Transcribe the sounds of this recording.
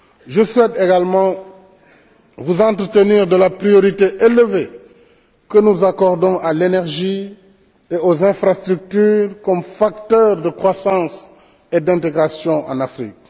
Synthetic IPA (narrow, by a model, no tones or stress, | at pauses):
ʒəswɛteɡalmɑ̃ | vuzɑ̃nt̪ɾət̪əniːʁd̪əlapɾijoɾiteʔeləve | kənuzakɔʁdɔ̃ʔalenɛʁʒi | eozɛ̃fɾast̪ɾyk̚tyːʁkɔmfak̚tœːʁdəkʁwasɑ̃ːs | edɛ̃nteɡʁasjɔ̃ʔɑ̰̃nafɾḭk̚